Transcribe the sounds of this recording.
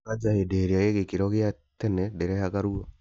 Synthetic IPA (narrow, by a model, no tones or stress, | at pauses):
ad͡ʒahedeɾeaeɣekiɾɔɣɪa | tɛnɛdɛɾɛhaɣaɾuo